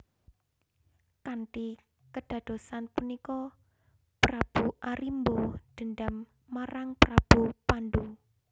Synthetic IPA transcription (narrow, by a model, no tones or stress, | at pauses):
kanʈi | kəɖ̥ä̤d̪̥o̤sanpunikɔ | pɾab̥uʔaɾimbod̪̥ə̤nɖamː | aɾaŋpɾab̥upanɖu